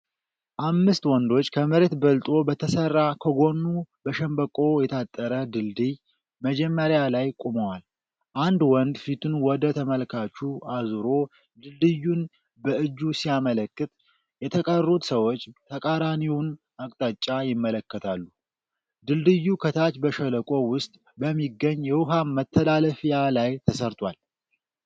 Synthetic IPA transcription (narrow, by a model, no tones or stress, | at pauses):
ʔamːɨst̪wɔnd̪o̞t͡ʃːkʰəməɾet̪bəlt̪ʼo̞bət̪ʰəsərːakʰəɡo̞nːubəʃɛmbəkʼo̞jɛt̪ʰat̪ʼːəɾəd̪ɨld̪ɨj | məd͡ʒɛmːəɾjalajkʼuməwal | ʔand̪wɔnd̪fit̪ʰunwɔd̪ət̪ʰəməlkʰat͡ʃːuʔazɨɾo̞ | d̪ɨld̪ɨjːun | bəʔɨd͡ʒːusiamələkːɨt̪ | jɛt̪ʰəkʼərːut̪səwo̞t͡ʃːt̪ʰəkʼaɾaniwʊn | akʼt̪ʼat͡ʃʼːajɪmːələkːət̪ʰalːu | d̪ɨld̪ɨjːukʰət̪ʰat͡ʃbəʃələkʼo̞wʊst̪ʼ | bəmːiɡːəɲːjɛwʊɦamːət̪ʰːəlaləfijalajt̪ʰəsəɾt̪ʰwal